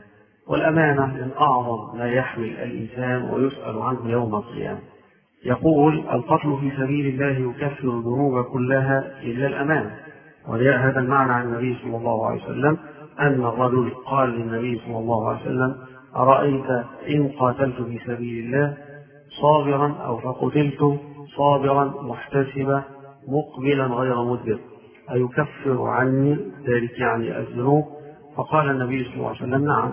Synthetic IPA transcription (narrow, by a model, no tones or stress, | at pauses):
wa̰lʔamaːnamɪnʔɑʕðˤɑmːaːjaħmɪlʔa̰lʔɪ̰nsaːnwa̰jʊsʔa̰lʕanɦʊjawmalqɨ̰ja̰ːma | jɑquːlʔa̰lqɑt̪lʊfiːsabiːlɪlːaːɦjʊkafːɪɾʊðʊnuːbakʊlːaɦaːʔɪlːaːlʔamaːna | wʔa̰d͡ʒaːʔɦaːðalmaʕnaːʕanɪnːabɪjːsˤɑlːɑlˤːɑːhʊʕa̰a̰j̰sa̰lːamʔanːarˤːɑd͡ʒʊlqɑːlːɪnːaβɪjːsˤɑlːɑlˤːɑːhʊʕa̰lj̰sa̰lːam | ʔɑɾˤɑʔajt̪aʔɪnqɑːt̪alt̪ʊfiːsabiːlɪlːaːh | sˤɑːbɪɾɑnʔa̰wfaqʊt̪ɪlt̪ʊsˤɑːbɪɾˤɑnmʊħt̪asɪba | mʊqbɪlanɣajɾamʊd̪ːɪɾ | ʔajʊkafːɪɾ̰ʕanːiːðaːlɪkjaʕnḭʔa̰ðːʊnuːb̚ | fɑqɑːlanːabɪjːsˤɑlːɑ̰ːʕjsalːamnaʕa̰m